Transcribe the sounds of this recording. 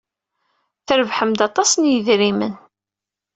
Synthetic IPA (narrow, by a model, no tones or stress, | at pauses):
θəɾəvħəmd̪ɑt̪ˤɑsnjəðɾimə̰n